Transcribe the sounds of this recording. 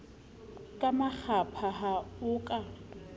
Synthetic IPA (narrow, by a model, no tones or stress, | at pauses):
kʼamak͡xʰapʰaɦaʊkʼa